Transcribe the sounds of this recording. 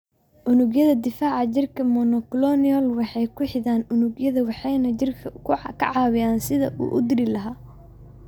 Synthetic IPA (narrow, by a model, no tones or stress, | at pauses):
ʔʊnʊɡjɐðɐd̪ɪfaːʕɑt͡ʃɪrkʰɐmɔnɔklɔniɔlwɑħɑjkʰʊħɪðaːnʊnʊɡjɐðɐwɑħɑjnɐt͡ʃɪrkʰɐkʰʊkʰɐ̰ʕɑːwɪjaːnsɪðɐ̰ʔṵːʔʊd̪ɪɾɪlɐɦaː